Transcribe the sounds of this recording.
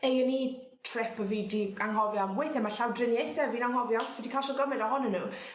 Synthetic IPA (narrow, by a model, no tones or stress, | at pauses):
ejəni | tʰrɪpəvidiaŋɦɔvjɔmwejθɛmaɬawdrɪnjejθɛviːnaŋɦɔvjɔswɛdikʰaʃɔɡɔmɪdɔɦɔnənːuː